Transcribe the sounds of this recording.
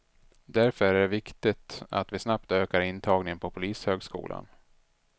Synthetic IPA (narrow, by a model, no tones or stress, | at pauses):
d̪æɾfœɾæɖɛvɪkt̪ɪt̪a̰t̪vɪsnap̚t̪øːkaɾɪnt̪ʰɑːɡnɪŋənpʰɔpʰʊliːshøːɡskṵːlʔa̰n